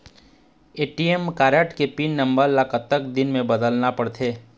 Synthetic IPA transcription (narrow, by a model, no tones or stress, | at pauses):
eːʈiemkaːɾəʈkepinːɐ̃mbəɾlakət̪ːəkd̪ɪnmẽbəd̪əlnapɐɽt̪ʰeː